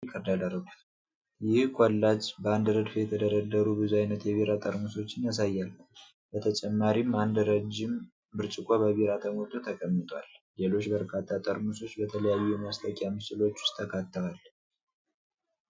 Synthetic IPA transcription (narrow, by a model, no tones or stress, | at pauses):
kʼəd̪aləɾəɡut̪ | jɪhkʼolːad͡ʒbəand̪ɾəd̪fjɛt̪ʰəd̪əɾəd̪ːəɾubɨzuajnət̪jɛβiɾat̪ʼəɾmuso̞t͡ʃːɪnjas̬ajːalː | bət̪ʰət͡ʃʼɛmːaɾimand̪ɾəd͡ʒːɪm | bɨɾt͡ʃʼɪkʼobəβiɾat̪ʰəmot̪ʰʼːot̪ʰəkʼəmːɨt̪ʼwa̰llelo̞t͡ʃːbəɾkʰat̪ʰːat̪ʼːəɾmuso̞t͡ʃːbət̪ʰələjajːumast̪ʰʼəkʼjamɨsɨlo̞t͡ʃːʊ̥st̪ʰəkʰat̪ːəɾal